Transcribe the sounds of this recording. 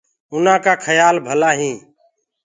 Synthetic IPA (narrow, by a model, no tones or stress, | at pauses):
ʊnãːkaːkʰəjaːlbʱəlaːɦĩː